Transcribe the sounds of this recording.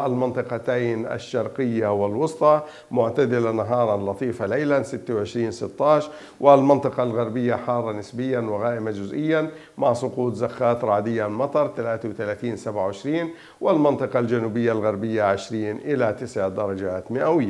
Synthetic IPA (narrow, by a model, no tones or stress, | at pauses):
ʔalmɑnt̪ˤɨqɑt̪aːnʔa̰ʃːɑɾˤqɪjːawɪlwʊsˤt̪ˤɑ | mʊʕt̪ad̪ɪlanaɦɑːɾˤɑlːɑt̪ˤiːfaleːlansɪt̪ːawʕɪʃɾiːnsɪt̪ːɑːʃ | wʔɪlmɑnt̪ˤɨqɑlɣaɾbɪjːaħɑːrˤːɑnɪsbɪjːanwɪɣaːʔɪmad͡ʒʊzʔɪjːan | maʕsˤʊquːt̪zaxːaːt̪ɾˤɑːd̪ɪjːamɑt̪ˤɑɾˤt̪alaːt̪awt̪alaːt̪iːnsabʕaʕɪʃɾiːn | wɪlmɑnt̪ˤɨqɑld͡ʒanuːbɪjːalɣaɾbɪjːaʕɪʃɾiːnʔɪlat̪ɪsʕd̪ɑɾˤɑd͡ʒaːt̪mɪʔawɪjːa